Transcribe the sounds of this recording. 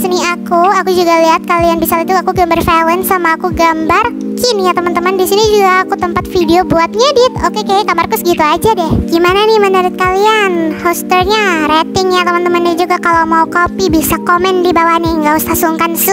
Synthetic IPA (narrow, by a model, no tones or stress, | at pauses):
sniakuakud͡ʒuɡaliɦat̪̚kalianbisalit̪uakuɡambarfelɛnsamaːkuɡambar | kinijat̪əmənt̪əməndisinid͡ʒuɡaːkut̪əmpat̪fidiobuat̪̚ɲadit̪okekajaɡamarkʊsɡit̪uad͡ʒadɛhɡimananɪhmənuɾɪt̪̚kalianhost̪ərɲaɾet̪ɪŋɲat̪əmənt̪əmənnad͡ʒuɡakalawmaukopibisakomɛndibawahniŋɡaust̪asuŋkans